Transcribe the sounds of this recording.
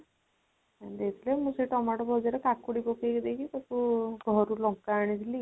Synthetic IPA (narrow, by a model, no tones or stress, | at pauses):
ad̪et̪ʰilemũseʈɔmaʈɔbʱɔd͡ʒaɾekakuɽikokekid̪ekʰit̪ɔkuɡʱɔɾulɔŋkaːɽ̃id̪ʰʱili